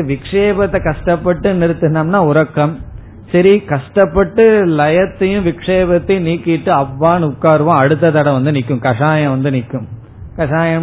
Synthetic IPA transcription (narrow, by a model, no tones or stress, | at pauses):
ʋɪkʂeːbɐt̪ːɐkɐʂʈɐpːɐʈːɯnɪɾɯt̪ːɯnaːmnaːʊɾɐkːɐm | sɐɾikɐʂʈɐpːɐʈːɯlɐjɐt̪ːɐjɯ̃ʋɪkʂeːbɐt̪ːɐɪniːkːɪɪʈːɯɐʋːaːnʊkːaːɾɯʋɐ̃ɐɽɯt̪ːɐt̪ɐɽɐ̃ʋɐnd̪ɯnɪkːɯ̃mkɐʂaːjɐ̃ʋɐnd̪ɯnɪkːɯ̃m | kɐʂaːjɐ